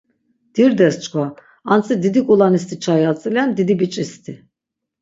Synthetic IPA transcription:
d̪̥iɾd̪ɛst͡ʃkoa | ansɨd̪id̪ikʼulˠanist̪ʰit͡ʃʰajalt͡s̪ʼilʲɛnd̪id̪ibit͡ʃʼist̪ʰi

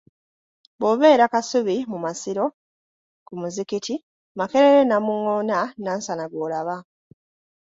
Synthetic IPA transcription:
bo̞βe̞ːɾakasuβimumasiɾo̞ | kumuzikitʰi | make̞ɾeɾe̞namuŋo̞ːnanaːnsanaɡoːlaβa

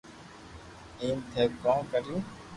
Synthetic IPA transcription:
ĩːmd̪ʰʱeːkkãːkəɾjũː

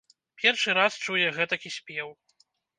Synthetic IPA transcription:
pʲɛrʂɨɾast͡ʂujɛɣɛt̪ɐkʲisʲpʲɛw

